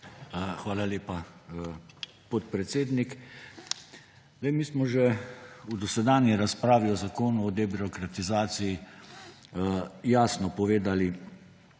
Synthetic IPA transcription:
xʋaːlalʲeːpa | pɔt̪̚pɾɛt̪seːd̪nik | zd̪ɛjmiːsmɔʒɛud̪ɔsɛd̪aːnjiɾaspɾaːʋiɔzakoːnuɔd̪ɛbiɾɔkɾat̪izaːt̪siji | jaːsnɔpɔʋeːd̪ali

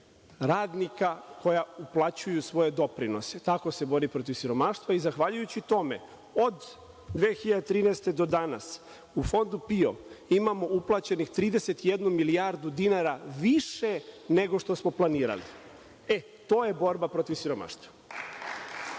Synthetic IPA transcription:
ɾaːd̪nikako̞jauplˠat͡ɕujusʋo̞je̞d̪o̞pɾino̞se̞t̪ako̞se̞bo̞ɾipɾo̞t̪iʋsiɾo̞maːʃt̪ʋaizaxʋaʎujut͡ɕit̪o̞me̞̰ | o̞d̪ː | ʋeːxiʎad̪et̪ɾiːnest̪e̞d̪o̞d̪ana̰s | ufo̞nd̪upio̞̰imamo̞uplˠat͡ɕe̞nixt̪ɾiːd̪e̞se̞t̪ijed̪numilijaɾd̪ud̪inaːɾaʋiʃe̞ne̞ɡo̞ʃt̪o̞smo̞planiːɾa̰lḭ | e | t̪o̞ːje̞bo̞ɾbapɾo̞t̪iʋsiɾo̞ma̰ʃt̪ʋḁ

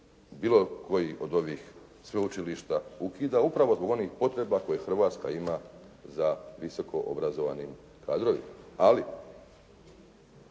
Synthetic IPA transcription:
biːlˠo̞kʰo̞jiʔo̞d̪o̞ʋiːx | sʋeut͡ʃiliʃt̪aukiːd̪aupɾaʋo̞zbo̞ɡo̞niːxpo̞t̪ɾe̞bako̞jexr̩ʋaːt̪ska̰ima | zaʋiso̞kʰo̞ʔo̰bɾazo̞ʋa̰niːm | kʰaːd̪ɾo̞ʋḭmaali

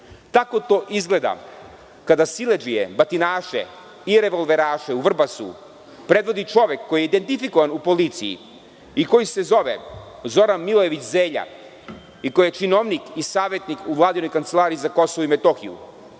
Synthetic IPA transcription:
t̪ako̞t̪o̞ːʔizɡle̞d̪a̰ | kad̪asiled͡ʒijḛbat̪inaːʃḛ | iɾeʋo̞lˠʋe̞ɾaːʃeuʋr̩basṵ | pɾe̞d̪ʋo̞d̪it͡ʂo̞ʋe̞kːojijeid̪e̞nt̪ifikoʋanupolit̪sijḭ | iko̞jise̞zo̞ʋḛzo̞ɾanmilˠo̞je̞ʋit͡ɕzeːʎa̰ | ikojijet͡ʃinoʋnikisaːʋje̞t̪nikuʋlˠaːd̪ino̞jkant̪se̞lˠaːɾijizako̞soʋoimet̪o̞xḭṵ

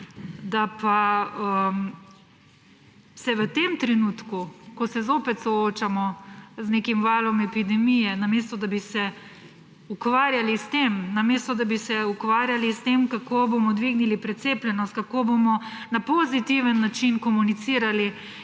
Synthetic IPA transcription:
d̪apaəm | sɛʋət̪eːmt̪ɾɛnut̪kukɔsɛzoːpɛt̪sɔoːt͡ʃamɔzneːkimʋaːlɔmɛpid̪ɛmijɛnameːst̪ɔd̪abisɛ | ukʋaːɾjalist̪emnameːst̪ɔd̪abisɛukʋaːɾjalist̪emkakoːbomɔd̪ʋiɡnilipɾɛt̪seːplʲjɛnɔst̪̚kakobomɔnapozit̪iʋənːat͡ʃinkɔmunit̪siːɾali

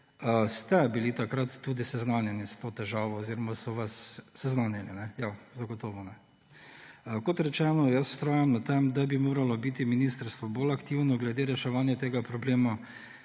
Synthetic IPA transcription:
əst̪ɛbilit̪akɾat̪ːud̪isɛznanjɛnist̪oːt̪ɛʒaːʋɔːziɾɔmasɔʋasːɛznanjɛninɛjazaɡɔt̪oʋɔnɛ | kɔt̪ɾɛt͡ʃɛːnɔjɐsw̥st̪ɾaːjamnat̪ɛmd̪abimoːɾalɔbit̪iminist̪əɾst̪ʋɔbolakt̪iwnɔɡlɛd̪eːɾɛʃɛʋaːnjɛt̪eːɡapɾɔbleːma

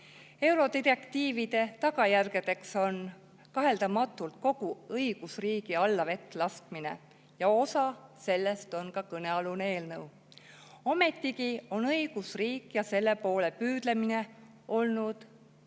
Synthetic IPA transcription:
e̞wɾo̞d̪ire̞kt̪iːvid̪̥e̞t̪ɑɡɑjærɡ̥e̞d̪̥e̞kso̞n | kɑɦe̞ld̪ɑmɑt̪ːˑult̪̚ko̞ɡ̥uɤjɡ̥usriːɡ̥iɑlːɑve̞t̪ːˑlɑst̪mine̞̰ | jɑo̞sɑse̞lːe̞st̪o̞nkɑkɤne̞ɑlunee̞ːlnɤw | ome̞t̪ːˑikio̞nɤiɡ̥usriːkjɑse̞lːe̞po̞ːle̞pyːd̪̥le̞mine̞ | o̞lnud̪̥

